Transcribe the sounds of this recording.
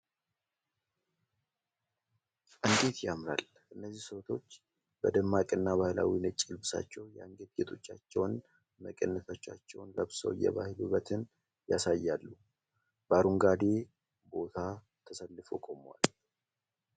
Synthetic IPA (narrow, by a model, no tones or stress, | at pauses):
ʔɨŋɡe̞t̪jamɾa̰l | ɨnːəzːihsot̪ʰo̞t͡ʃː | b̥əd̪əmːakʼɨnːaβahla̰winət͡ʃʼːɪlbɨsa̰t͡ʃːɛwjaŋɡet̪̚ɡet̪ʰʼo̞t͡ʃːat͡ʃːɛwn | məkʼənːət̪ʰot͡ʃːat͡ʃːɛwnləβsə̰wjɛ̰βahɪlubət̪ʰɨn | jasajːalːu | b̥aɾuŋɡad̪e̞ | bo̞t̪ʰa | t̪ʰəsəlːɨfokʼo̞mwa̰l